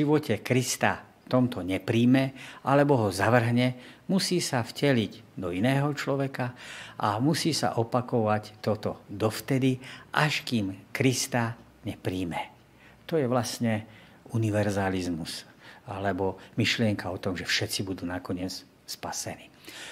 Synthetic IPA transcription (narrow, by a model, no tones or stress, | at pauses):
ʒiʋɔcɛkɾist̪aft̪ɔmt̪ɔɲɛpɾiːmɛʔalɛbɔɦɔzaʋr̩ɦɲɛmusiːsafcɛliɟd̪ɔinɛːɦɔt͡ʃlɔʋɛkaʔamusiːsa̰ʔɔpakɔʋact̪ɔt̪ɔd̪ɔft̪ɛd̪iʔaʃkimkɾist̪a | ɲɛpɾiːmɛ | t̪ɔjɛʋlasɲɛ | uniʋɛɾzalizmus | a̰lɛbɔmiʃlɪɛŋkaɔt̪ɔmʒɛfʃɛt͡sibud̪uːnakɔɲɪɛt͡s | spasɛniː